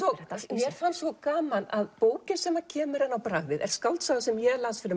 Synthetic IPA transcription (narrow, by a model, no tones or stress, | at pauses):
ɔmjɛɾ̥fansvɔkaːmanaðpoːwcɪsɛmacʰɛːmʏɾɛnːawpɾaɣðɪðɛ̰ɾ̥skawlt̪saɣasɛmjɛlansfɪɾɪ